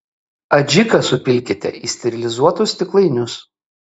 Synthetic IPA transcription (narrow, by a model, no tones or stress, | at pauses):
ɐd͡ʒʲɪkɐsʊpʲɪlʲkʲɪt̪ʲɛ̰iːsʲt̪ʲɛɾʲɪlʲɪzuɔt̪ʊst̪ʲɪklˠɐɪnʲʊs